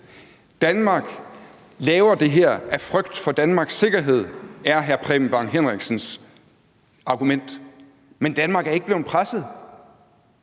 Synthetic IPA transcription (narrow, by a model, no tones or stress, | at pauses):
d̥ænmɑ̈ːɡ̥ | lɛːʊɐd̥e̝ɦeɐ̰æfʁœɡ̥d̥fɒ̽d̥ænmɑ̈ːɡ̥sːe̝ɡ̥ɐɦe̝ð̞̰ˠæɐɦæɐpʰʁɛmb̥ɑ̈ŋɦenʁiɡ̥sn̩s | ɑ̈ɡ̥umen̰d̥ | mend̥ænmɑ̈ːɡ̥æɐe̝ɡ̥̚əb̥le̝ːpʰʁasð̩ˠ